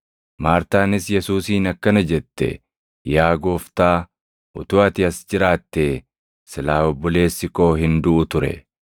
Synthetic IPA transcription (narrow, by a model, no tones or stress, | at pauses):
maːɾt̪aːnɪsjɛsuːsiːnɐkːɐnɐd͡ʒɛt̪ːɛ̰ | jaːɡo̞ːft̪aː | ʔʊt̪ʊːɐt̪ɪɐsd͡ʒɪɾaːt̪ːeː | sɪlaːɔbːɔle̞ːsːɪko̞ːɦɪnd̪ʊʔʊt̪ʊɾɛ̰